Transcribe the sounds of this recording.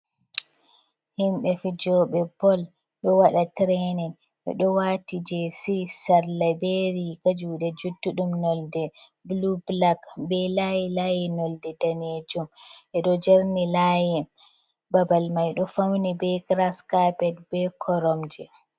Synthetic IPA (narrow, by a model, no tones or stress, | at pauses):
himɓɛfid͡ʒɔɓɛbɔl | ɗɔwaɗatɾɛnɛn | ʔɛ̰ɗɔwatid͡ʒɛsisaɾlabɛɾikad͡ʒuɗɛd͡ʒuduɗumnɔldɛblublaɡbɛlajɛlajɛnɔldɛdaned͡ʒumʔɛɗɔd͡ʒeɾnilajɛ | babalmajɗɔfawnibɛkɾaskapɛd̚bɛkʰɔɾɔmd͡ʒɛ